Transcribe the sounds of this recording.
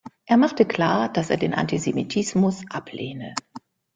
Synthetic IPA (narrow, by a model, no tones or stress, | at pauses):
ʔeːɐmaχtəkl̥aːɐd̥aseːɐdeːnʔa̰ntizemitʰɪsmʊsʔapʰleːnə